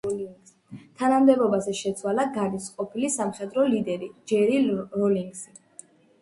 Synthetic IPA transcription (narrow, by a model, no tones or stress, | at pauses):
t̪ʰanamd̪ɛbɔbazɛʃɛt̪sʰwalaɡaɾisqʼɔpʰilisamχɛd̪ɾɔlid̪ɛɾid͡ʒɛɾiɾɔliŋɡzi